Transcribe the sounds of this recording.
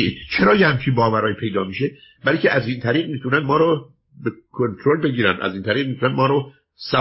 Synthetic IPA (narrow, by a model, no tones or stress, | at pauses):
id̪t͡ʃʰeɾɒːjehæmt͡ʃʰibɒːvæɾɒːjipʰe̞jd̪ɒːmiːʃe | bælɾicʰʲeʔæziːnt̪ʰæɾiːɣmiːt̪ʰunænmɒːɾo | bekʰont̪ʰɾolbe̞ɟiːɾæ̰nd̪ʔæ̰ziːnt̪ʰæɾiːɣmiːt̪ʰunænmɒːɾo | sæ